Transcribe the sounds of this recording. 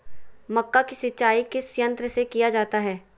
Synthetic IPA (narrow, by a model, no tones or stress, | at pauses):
mɐkːakisɪtːt͡ʃaːikɪsjə̃nt̪ɾəsekijad͡ʒaːt̪aɦɛː